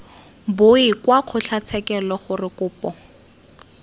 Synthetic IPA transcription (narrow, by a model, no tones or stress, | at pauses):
bʊɪkwaq͡χʰʊɬʰat͡sʰɛkɛlɔχʊrɪkʊːpɔ